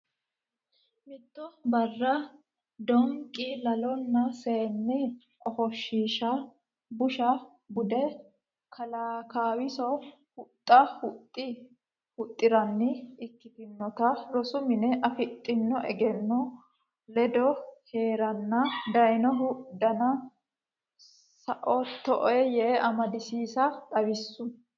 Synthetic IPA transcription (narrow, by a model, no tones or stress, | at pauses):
mɪt̪ːɔbɐrːɐ | d̪ɔŋkʼːɪlɐlɔnːɐseːnːɪ | ʔɔhɔʃːiːʃɐ | bʊʃɐ | bʊd̪ɛ | kʰɐlaːkaːwɪsɔ | hʊt̪ʼːɐhʊt̪ʼːɪ | hʊt̪ʼːɪɾɐnːɪɪkːɪt̪ɪnːɔt̪ɐɾɔsʊmɪnɛʔɐfɪt̪ʼːɪnːɔʔɛɡɛnːɔ | lɛd̪ɔhe̞ːɾɐnːɐd̪ɐjnɔɦʊd̪ːɐnɐ | sɐʔɔt̪ːɔʔɔɛjɛʔɐmɐd̪ɪsiːsɐt̪ʼɐwɪsːʊ